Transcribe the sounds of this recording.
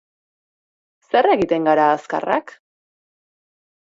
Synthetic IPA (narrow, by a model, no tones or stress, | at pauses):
se̞re̞ɣit̪e̞ŋɡaɾaːska̰ra̰k